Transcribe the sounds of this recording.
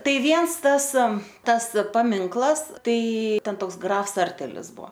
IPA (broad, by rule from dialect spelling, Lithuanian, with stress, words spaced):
ˈtɐɪ ˈʋʲiɛns ˈtɐs ˈtɐs pɐˈmʲɪŋklˠɐs ˈtɐɪ ˈtʲɛn ˈtoːks ˈɡrɐfs ˈsɐrʲtʲɛlʲɪs ˈbuɔ